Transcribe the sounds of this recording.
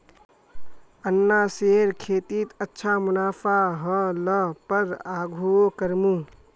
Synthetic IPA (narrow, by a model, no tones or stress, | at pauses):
ənːaseːɾkʰeːt̪it̪ətːʃʰamʊnaːpʰaɦə̃ləpəɾaːɡʱuokəɾmũː